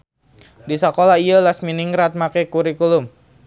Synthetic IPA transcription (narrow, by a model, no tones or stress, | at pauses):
disakolahijalasminiŋɾat̪̚makɛkuɾikulʊm